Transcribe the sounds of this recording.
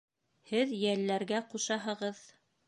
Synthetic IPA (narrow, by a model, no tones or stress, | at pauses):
hɘðjælːæɾɡæquʃɑɦɤ̆ʁɤð